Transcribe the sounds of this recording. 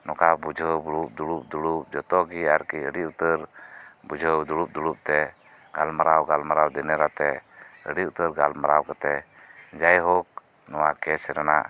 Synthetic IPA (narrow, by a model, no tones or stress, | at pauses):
nɔkabud͡ʒʱəwbuɾup̚d̪uɽup̚d̪uɽup̚d͡ʒɔt̪ɔɡiaɾkiəɽiut̪əɾbud͡ʒʱəwd̪uɽup̚d̪uɽup̚t̪ɛ | ɡalmaɾawɡalmaɾawd̪ɛnɛɾat̪ɛə̰ɖiut̪əɾɡalmaɾawkat̪ɛ | d͡ʒajɦɔk̚ | nɔwakɛsɛɾana̰ʔ